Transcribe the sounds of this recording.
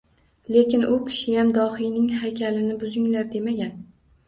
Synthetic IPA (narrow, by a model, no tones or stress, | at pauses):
le̞kʲɪnʔʊkʲʰɪ̥ʃɪjamd̪ɒhɪjnɪŋɦajkʲʰalɪnɪbʊzɪŋlaɾd̪e̞maɡʲan